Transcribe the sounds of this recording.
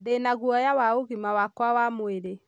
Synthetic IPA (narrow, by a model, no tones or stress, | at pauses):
denaɣuɔjawaoɣimawakwawamoeɾe